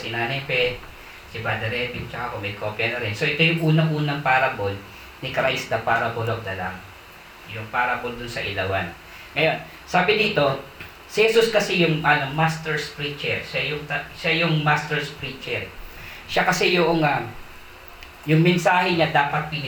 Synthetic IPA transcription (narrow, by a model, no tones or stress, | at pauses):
sɪnaːnɛpɛ | sɪbad̪ɐɾɛpɪŋt͡ʃɐkakomɐjkʰoːpjɐnɐɾɛnso̞ʔɛt̪o̞jʊŋʔuːnɐŋʔuːnɐŋpaːɾɐbol | nɪkɾajsd̪ɐpaːɾɐpoloɡ̚d̪ɐla̰ŋ | jʊŋpaːɾɐpond̪ʊnsɐʔɪlɐwan | ŋɐjo̞n | saːbɪd̪iːt̪o̞ | sɪhɛsuskɐsɛjʊŋʔɐnomast̪ɛɹspɾit͡ʃɛɹʃajʊŋt̪ɐʃajʊŋmast̪ɛɹspɾiːt͡ʃɛɹʃakɐsɛjʊʔoŋa | jʊŋmɛnsaːɦɛɲad̪aːpɐt̪̚pɪnɪ